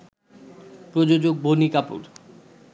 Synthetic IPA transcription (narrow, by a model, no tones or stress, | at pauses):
pɾod͡ʑod͡ʑoɡ̚bʱonikapṵɾ